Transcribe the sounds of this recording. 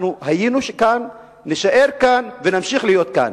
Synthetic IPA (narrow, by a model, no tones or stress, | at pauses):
nuhajinuʃekanː | iʃaʔe̞ʁkanvenamʃiχlijo̞t̪̚ka̰n